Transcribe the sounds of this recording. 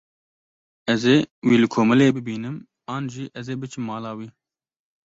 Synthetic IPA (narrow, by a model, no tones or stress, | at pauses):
ɛzeːwiːlɨkʰoːmɨleːbɨbiːnɨm | ɑːnʒiːʔɛzeːbɨt͡ʃʰɨmːɑːlɑːwiː